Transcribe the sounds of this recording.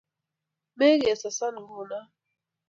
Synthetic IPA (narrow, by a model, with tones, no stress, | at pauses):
mɛ˦ɣɛ˨sa˨sa˦n˨ɡu˨na˦